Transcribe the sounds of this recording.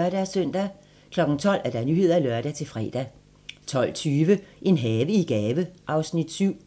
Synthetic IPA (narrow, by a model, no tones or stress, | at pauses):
ɐɾ̥æsœn̰d̥æ | kʰlɒ̽ɡ̥n̩t͡sʰɒ̽l̰æɐd̥ɑ̈nyɦe̝ð̰ˠɐilɶɐd̥æt͡sʰe̝lfʁɛd̥æ | t͡sʰɒ̽l̰t͡sʰyːʋəʔe̝nɦɛːʋəiɡ̥ɛːʋəʔɑ̈ʊsnid̥syʊ̰